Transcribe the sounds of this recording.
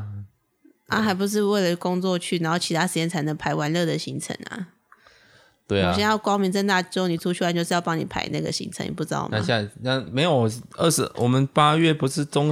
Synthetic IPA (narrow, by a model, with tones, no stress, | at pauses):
a̰˦˩xa˧˥ɪp̬u˧ʂ̬ɻ̩˥˧we˥˩ɪlə˩kʊ˥ŋt͡swɔ˥˧t͡ɕʰy˥˩na˨˧˥nxo˥˩t͡ɕʰi˧˥t̪ʰa˥ʂɻ̩˧˥t͡ɕjɛ˥˩nt͡sʰa˧˥ɪnə˧˥ŋpʰa˧˥ɪwa˧˥nlɤ˥˩d̪ə˩ɕi˧˥ŋt͡sʰə̰˧˥˦ŋa̰˨˩ | t̪we˥˩˨ɕɛ˥jɑ˥˩ʊkwɑ˥ʊmi˨˧˥nt͡snt̪a˥˩˥ni˨˩ʈ͡ʂʰu˥t͡ɕʰy˥˩a˥t͡ɕo˥˧ʊʂ̩˥˧jɑ˥˧ʊpɑ˥ŋni˨˩pʰa̰˧˥ɪna̰˥˩ɡə̰˩ɕḭ˧˥ŋt͡sʰə˧˦ŋnjɛ̰˨˩pu˥ʈ͡ʂɻ̩˧˥d̪ɑ̰˥˩˨na˧˩ɕja˥˧˩a˥˩me˧˥ɪjo˨˩ʊ˨˩ə˥˩ʂɻ̩˧˥wʔɔ˨˩mə˨˦npa˦ɥɛ˥˩pu˧˥ʂɻ̩˥˨ʈ͡ʂʊ˥ŋ